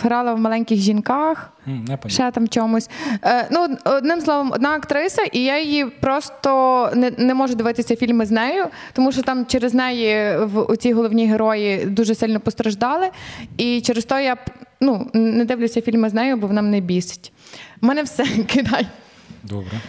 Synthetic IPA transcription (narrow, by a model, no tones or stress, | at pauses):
ɦɾɑlˠɐwmɐlˠɛnʲkʲɪxʒʲinkɑx | ʃɛt̪ɑmt͡ʃɔmʊsʲnuɔd̪nɪmslˠɔʋɔmɔ̰d̪nɑɐkt̪ɾɪsɐʔijajjipɾɔst̪ɔnɛnɛmɔʒʊd̪ɪʋɪt̪ɪsʲɐfʲilʲmɪznɛjʊ | t̪ɔmuʃt͡ʃɔt̪ɑmt͡ʃeɾeznɛjiwṵt͡sʲiɦɔlˠɔwnʲiɦeɾɔjid̪uʒɛsɪlʲnɔpɔst̪ɾɐʒd̪ɑlˠɪit͡ʃɛɾest̪ɔɦɔjanunɛd̪ɪʋlʲʊsʲɐfʲilʲmɪznɛjʊbɔʋnɑmnɛbʲisɪ̥tʲ | mɛnɛwsɛkɪd̪ɑj | d̪ɔbɾɛ